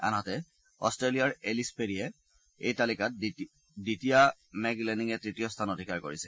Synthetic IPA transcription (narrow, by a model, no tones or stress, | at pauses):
a̰nɦɔtɛ | ɔ̰stɹelijaɹelispeɹiɛ | ḛjtalikat̚ | ditija | mɛɡlɛniŋɛtɹitijɔstʰanodʱikaɹko̰ɹisɛ̥